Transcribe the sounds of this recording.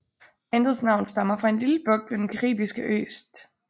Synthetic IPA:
end̥ðˠsnɑ̈ʊ̰n̩sd̥ɑ̈mɐfʁɑ̈e̝nliləb̥ɔ̽ɡ̥̚d̥ʋed̥enkʰæʁḭːb̥isɡ̥əʔø̰ːsd̥

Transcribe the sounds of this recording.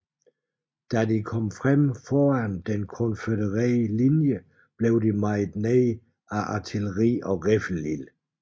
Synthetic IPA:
d̥ædikʰɒ̽mfʁamfɒːænd̥enkʰɔnfødəʁilinjə | b̥le̝ʊdimɑɪd̥neɪ | æʔɑt͡sʰiləʁḭːɒʁefl̩lil

